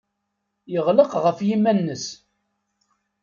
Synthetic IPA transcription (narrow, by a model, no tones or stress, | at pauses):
jəʁləqʁəfjimːænːəs